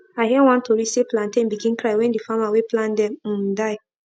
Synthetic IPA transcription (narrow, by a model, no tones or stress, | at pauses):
aɪɦɛw̃ãntʰoɾiseplãntẽnbikĩnkɾaɪwɛ̃ndifamaweplãndɛ̃m̩daɪ